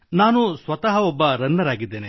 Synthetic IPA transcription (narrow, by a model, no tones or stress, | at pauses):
naːnusʋɐt̪ɐɦɐɔbːɐɾɐnːɐɾaːɡid̪ːeːne